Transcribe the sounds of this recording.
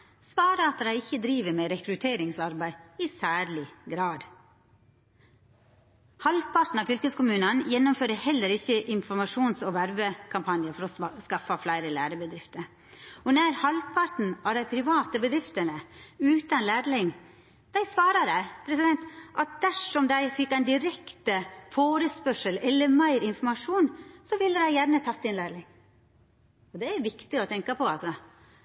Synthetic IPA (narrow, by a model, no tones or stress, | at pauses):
sʋɑːɾəɑt̪d̪æɪɪçːəd̪ɾiːʋəmɛɾɛkɾʉt̪ʰeːɾɪŋsɑɾbæɪɪsæːɾɭɪɡɾɑːd̪ | hɑlpʰɑɾʈ̪n̩ɑːfʏlkəskʊmʉːnənjɛnːʊmføːɾəhɛlːəɾɪçːəʔɪnfɔɾmɑʂuːnsɔʋæɾbəkʰɑmpʰɑnjəfɔɾɔskɑfɑflæɪɾəlæːɾəbəd̪ɾɪft̪əɾ | ɔnæɪɾhɑlpʰɑɾʈ̪n̩ɑʋd̪æɪpʰɾɪʋɑːt̪əbəd̪ɾɪft̪ənəʉːt̪ɑnlæːɾlɪŋ | d̪̥æɪsʋɑːɾɑd̪æɪpʰɾɛsɪd̪ɛnt̪ʔɑt̪̚d̪æʂɔmd̪æɪfɪkːæɪnd̪ɪɾɛkt̪əfoːɾəspœʂəlɛlːəɾmæɪɾɪnfɔɾmɑʂuːnsɔʋɪlːəd̪æɪjæɾɳət̪ʰɑt̪ːɪnlæːɾlɪŋ | ɔd̪ɛæɾʋɪkt̪ɪɔt̪ʰɛŋkɑpʰɔɑlsɔ